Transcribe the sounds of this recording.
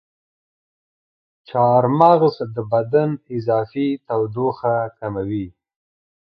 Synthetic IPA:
t͡ʃɑɾmaɣzd̪əbad̪anɪzɑfit̪awd̪oxakamawi

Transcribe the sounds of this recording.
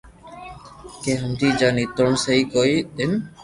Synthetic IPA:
kẽːɦəmd͡ʒ̪iːd͡ʒaːniːt̪ʊɳsəiːkoːiːɗ̪ɪn

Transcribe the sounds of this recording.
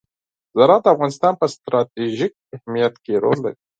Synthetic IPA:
zaɾɑd̪əafɣɑnɪst̪ɑnpəst̪ɾɑt̪eʒik̚ɪhmijat̪keɾo̰lːa̰ɾi

